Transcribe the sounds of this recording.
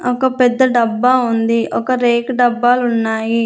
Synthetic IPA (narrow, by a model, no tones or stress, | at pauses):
ɔkɐpɛd̪ːɐɖɐbːaːund̪iɔkɐɾeːkɖɐbːaːlunːaːji